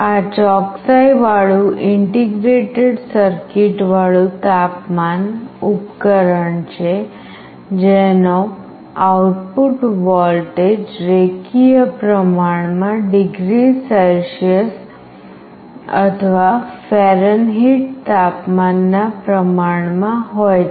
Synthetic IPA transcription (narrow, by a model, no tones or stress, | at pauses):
at͡ʃɔksajʋaɭũʔɪɳʈiɡɾeʈeɖsəɾkiʈʋaɭũt̪apmanupkəɾəɳt͡ʃʰe | d͡ʒeno | awʈpuʈʋɔlʈed͡ʒɾekijəpɾəmaɳ̃mãɖiɡɾisəlʃəs | ə̰t̪ʰəʋafɛɾənɦiʈt̪apmanːapɾəmaɳ̃mãɦoj